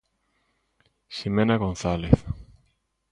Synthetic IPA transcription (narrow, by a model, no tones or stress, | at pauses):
ʃimenaɣonθaleθ